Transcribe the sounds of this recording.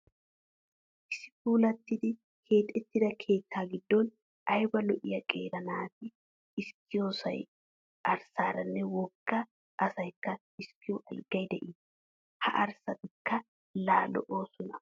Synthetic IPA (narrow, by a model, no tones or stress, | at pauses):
ʔɪsɪpuːlɐt̪ːɪd̪ɪ | kʰe̞ːt̪ʼːɛt̪ːɪd̪ɐkʰe̞ːt̪ʰːaːɡɪd̪ːɔn | ʔɐjbɐlɔʔɪjɐkʼeːɾɐnaːt̪ɛ | ɪskːɪjo̞ːsɐ̰j | ɐɾsaːɾɐnːɛwɔɡːɐ | ʔɐsɐjkːɐ | ɪskːɪjɔʔɐlɡɐjd̪ɛʔɪ | hɐ̰ʔɐɾsɐt̪ɪkːɐ | laːlɔ̰ʔoːsɔnɐ